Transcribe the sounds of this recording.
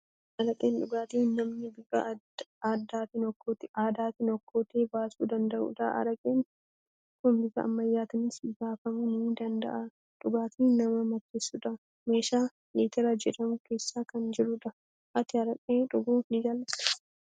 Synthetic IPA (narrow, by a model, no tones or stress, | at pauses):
ʔɐɾɐkʼeːnᶑʊɡaːt̪iːnnɐmnɪbɪɡɐ̰ | aːd̪ːaːt̪ɪnɔkʰːoːt̪ɪ̥ʔaːd̪aːt̪ɪnɔkːoːt̪eːbaːsṵːd̪ɐnd̪ɐʔṵᶑ̪ɐ̰ʔɐ̰ɾɐkʼeːn | ɔkːombɪɡɐ̰ɐ̰mːɐjːaːt̪ɪnɪsɪɡaːfɐmʊnʊd̪ɐnd̪ɐ̰ʔa | ᶑʊɡaːt̪iːnnɐmɐmɐtːeːsːuᶑɐ | me̞ːʃaː | leːt̪ɛɾɐd͡ʒɛᶑɐmʊke̞ːsːaːkɐnd͡ʒɪɾʊᶑɐ | ʔɐt̪ɪɐɾɐkʼeːᶑʊɡuːnɪd͡ʒaːlːɐs